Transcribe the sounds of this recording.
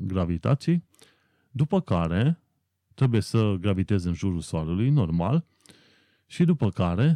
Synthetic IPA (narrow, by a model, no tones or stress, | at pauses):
ɡɾavit̪a̰t̪sij | d̪upəkaɾe̞ | t̪ɾe̞buje̞səɡɾavit̪e̞zeɨnʒuɾulsoaɾulujno̞rmal | ʃid̪upəkaɾe̞